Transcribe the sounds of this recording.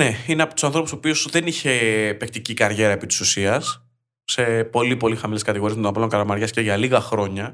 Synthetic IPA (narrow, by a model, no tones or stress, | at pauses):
ne̞ineɐpot̪u̥sɐnθɾo̞puso̞pio̞sðe̞niçe̞pek̚t̪icikɐɾʝe̞ɾɐepit̪i̥susiɐs | se̞po̞lipo̞lixɐmileskɐt̪iɣo̞ɾiemet̪onɐpɐloŋkɐlɐmɐɾʝɐsce̞ʝɐliɣɐxɾo̞ɲɐ